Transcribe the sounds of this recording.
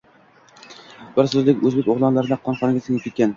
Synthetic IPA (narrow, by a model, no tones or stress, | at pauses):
bɪɾsɵzlɪkʲɵzbekʲoʁlˠɒnlaɾɪd̪aqʰɒnχɒnɪɡʲaseŋʲɪkʲʰet̪kʲːan